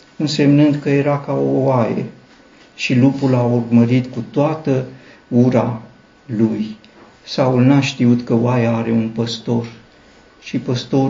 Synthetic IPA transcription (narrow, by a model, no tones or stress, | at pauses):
ɨnse̞mnɨnd̪kəje̞ɾakaowajḛ | ʃilupulaurməɾit̪kut̪oat̪ə | uɾa | luj | saulnaʃt̪iut̪kəoajeaɾe̞unpəst̪o̞r | ʃipəst̪o̞